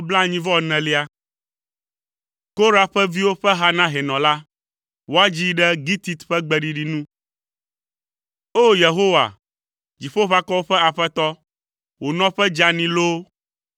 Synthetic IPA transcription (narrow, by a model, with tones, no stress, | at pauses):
bla˦ɲĩ˦vɔ˦˨nɛ̃˨li˦a˦ | ko˦ɾa˨ɸɛ˦vi˦wo˦ɸɛ˦ɦa˦nã˦ɦɛ˨nɔ̃˨la˦ | wo˦a˦d͡ʑi˦ɖɛ˦ɡi˦t̪i˨t̪ɸɛ˦ɡ͡bɛ˨ɖi˨ɖi˨nũ˦ | o˦je˨ɦo˦wa̰˨ | d͡ʑi˨ɸo˦ɸa˦kɔ˦wo˦ɸɛ˦a˨ɸɛ˦t̪ɔ˦ | wo˨nɔ̃˦ɸɛ˦d͡ʒa˨nĩ˨lo˦